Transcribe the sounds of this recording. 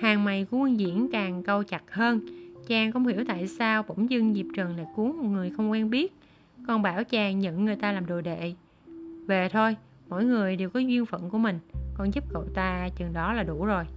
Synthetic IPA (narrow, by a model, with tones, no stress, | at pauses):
haː˨˩ŋma˨˩jku˧˦˧ŋzḭ˧˥ənkaː˨˩ŋkə˧wt͡ɕa˨˩t̚həː˧nt͡ɕaː˨˩ŋkɔ˧˥wŋ͡mhḭ˧˩əwt̪a̰ː˧˨jsaː˧wkʊ̰˧˥wŋ͡mzɨ˧ŋzi˨˩p̚t͡ɕəː˨˩nla̰ː˧˨jku˨˦əŋmɔ˨˩t̚ŋɨ˨˩əjxə˧wŋ͡mkwɛ˧nɓi˦˥ət̚ | kɔ˧nɓaː˧˩wt͡ɕaː˧˩ŋɲə̰˧˨ŋːɨ˨˩jt̪aː˧laː˨˩mɗo˨˩jɗḛ˧˨ | ve˨˩t̪ʰo˧j | mɔ̰˧˨jŋɨ˨˩əjɗe˨˩wkɔ˨˦zwi˧ənfə̰˧˨nku˧˩əmï˨˩ŋ̟kɔ˧nzu˦˥p̚kə̰˧˨wt̪aː˧t͡ɕɨ˨˩ŋɗɔ˨˦laː˨˩ɗu˧˩zo˨˩j